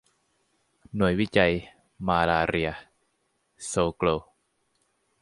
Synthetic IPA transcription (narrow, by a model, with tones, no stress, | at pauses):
nu˨˩˦ə˦jwi˦˥t͡ɕa˧j | maː˧laː˧ɾi˧ə | soː˧kloː˧